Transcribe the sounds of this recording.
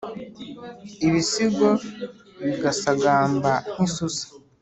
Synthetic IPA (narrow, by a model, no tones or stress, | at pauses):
iβisiɡo | βiɡasaɡaːmban̥isusḁ